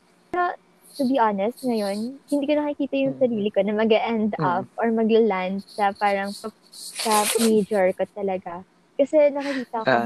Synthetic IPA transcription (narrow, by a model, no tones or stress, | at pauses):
pɛɾo | t̪ʊbiʔanɛst̪̚ŋɐjo̞nhɪnd̪iːkonɐkɪkiːt̪ɐjʊŋsɐɾiːlɪkonɐmɐɡɐʔɛnd̪ɔfʔoɹmɐɡɐland̪̚sɐpaːɾɐŋsɐ | sɐmejd͡ʒɔɹkot̪ɐlɐɡa | kɐsɛnɐkɪkiːt̪ɐo